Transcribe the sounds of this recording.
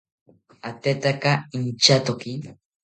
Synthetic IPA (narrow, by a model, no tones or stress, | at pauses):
at̪et̪akaint͡ʃat̪oki